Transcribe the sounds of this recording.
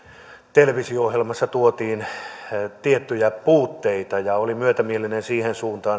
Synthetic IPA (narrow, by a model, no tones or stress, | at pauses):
t̪eleʋisioohjelmɑsːɑt̪uot̪iːn | t̪iet̪ːyjæpuːt̪ːeit̪ɑjɑolimyøt̪æmielinensiːhensuːnt̪ɑː